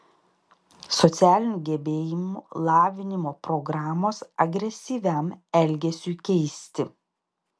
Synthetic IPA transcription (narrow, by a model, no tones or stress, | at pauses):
sɔt̪sʲæːlʲɪnʲuːɡʲɛbʲeːjɪmulˠɑːʋʲɪnʲɪmoːpɾɔɡɾɑːmoːsɐɡɾʲɛsʲiːʋʲɛmɛlʲɡʲɛsʲuːkʲɛɪsʲt̪ʲɪ